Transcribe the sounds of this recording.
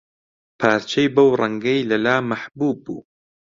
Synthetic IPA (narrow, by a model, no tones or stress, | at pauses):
pʰaːɾt͡ʃʰejbɐwrˤɐŋɡɐjlɐlaːmɐħbuːbːṵː